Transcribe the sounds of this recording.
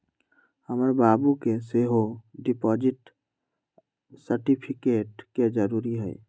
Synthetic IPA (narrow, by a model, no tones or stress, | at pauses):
həməɾbabukeseɦoɖipɔd͡ʒiʈ | səɾʈipʰikeʈked͡ʒəɾuɾiɦəj